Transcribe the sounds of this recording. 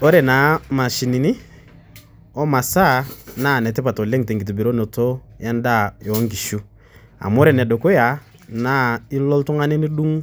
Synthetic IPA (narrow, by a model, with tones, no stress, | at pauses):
ɔ˦ɾɛ˨na˨˦ma˨ʃi˨ni˨ni˦ | ɔ˦ma˨sa˦na˦˨nɛ˨tɛ˦pa˨tɔ˨le˦ŋte˨ŋɡi˨t̬u˨bi˨ɾo˦nɔ˨to˦ja˦nda˦˨jɔ˨˦ŋɡi˨ʃu˦ | a̰˨m˦ɔ˦ɾɛ˨nɛ˨dɔ˨ko˦ja˨ | na˦i˦lɔ˦ltɔ˦ŋa˦ni˦ni˦du˦ŋ